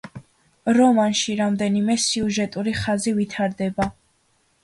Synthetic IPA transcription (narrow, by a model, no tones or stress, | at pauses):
ɾɔmanʃiɾamd̪ɛnimɛsiuʒɛt̪ʼuɾiχazivit̪ʰaɾd̪ɛba